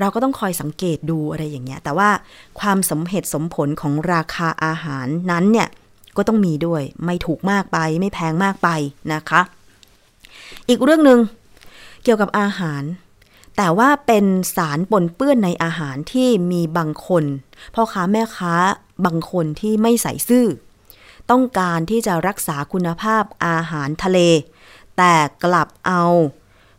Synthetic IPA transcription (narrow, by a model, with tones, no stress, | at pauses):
ɾa˧wkɔː˥˩t̪ɔ˥˩ŋkʰɔː˧jsa˨˩˦ŋkeː˨˩t̪̚duː˧ʔa˧ɾa˧jːaː˨˩ŋːi˦˥ɐt̪ɛː˨˩waː˥˩kʰwaː˧mso˩˦mɦe˨˩t̪̚so˩˦mpʰo˩˦nkʰɔː˩˦ŋɾaː˧kʰaː˧ʔaː˧ɦaː˩˦nːa˦˥nːi˥˩ə | kɔː˥˩t̪ɔ˥˩ŋmiː˧du˥˩əjma˥˩jt̪ʰuː˨˩k̚maː˥˩k̚pa˧jma˥˩jpʰɛː˧ŋmaː˥˩k̚pa˧jna˦˥kʰa˦˥ʔ | ʔiː˨˩k̚ɾɯ˥˩əŋnɯ˨˧ŋ | ki˨˩əwka˨˩p̚ʔaː˧ɦaː˩˦n | t̪ɛː˨˩waː˥˩pe˧nsaː˩˦npo˧npɯ˥˩ənːa˧jʔaː˧ɦaː˩˦nt̪ʰiː˥˩miː˧baː˧ŋkʰo˧npʰɔ˦˥kʰaː˦˥mɛː˥˩kʰaː˦˥ | baː˧ŋkʰo˧nt̪ʰiː˥˩ma˥˩jsa̰˩˦jsɯː˥˩ | t̪ɔ˥˩ŋkaː˧nt̪ʰiː˥˩t͡ɕa˨˩ɾa˦˥k̚saː˩˦kʰu˧nːa˧pʰaː˥˩p̚ʔaː˧ɦaː˩˦nt̪ʰa˧leː˧ | t̪ɛː˨˩kla˨˩p̚ʔa˧w